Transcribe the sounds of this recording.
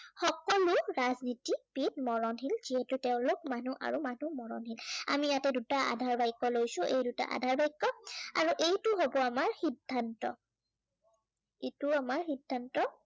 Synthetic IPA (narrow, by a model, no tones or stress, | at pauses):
xɔkɔlʊɹaznitipit̚mɔɹɔnɦilz̥iɦɛtutɛʊ̃lok̚manuʔa̰ɹumanumɔɹɔ̰nɦila̰mijatɛdutaa̰dʱaɹbajkːɔlojsʊ̃ʔḛjduta̰ʔa̰dʱaɹbajkːɔa̰ɹuʔejtʊɦobɔamaɹxidʱːantɔ̰ | ituamaɹxidʱːantɔ